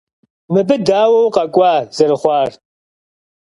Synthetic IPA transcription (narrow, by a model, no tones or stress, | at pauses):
mɨbɨdaːwɐwqɐkʷʼɑːzɐrɨχʷɑːr